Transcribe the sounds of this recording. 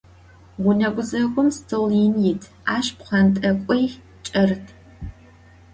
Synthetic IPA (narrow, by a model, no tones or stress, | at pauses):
ʁʷʊnɐɡʷʊzɐɡʷʊmstʰɨlinjɪtʰ | aːʃpqɐntʼɐkʷʼɔj | t͡ʃʼɐrtʰ